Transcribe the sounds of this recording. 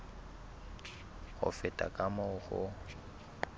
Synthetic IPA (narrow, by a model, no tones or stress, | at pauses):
ɣʊ̰fɪtʼa̰kʼamɔɣʊ̰